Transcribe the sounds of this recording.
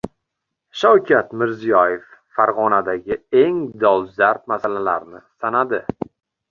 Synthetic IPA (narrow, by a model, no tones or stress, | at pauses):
ʃawkʲʰat̪mɪɾzijɒjefːaɾʁɒnad̪aɡʲɪe̞ŋd̪ɒwˠzaɾp̪̚masalalaɾnɪsanad̪ɪ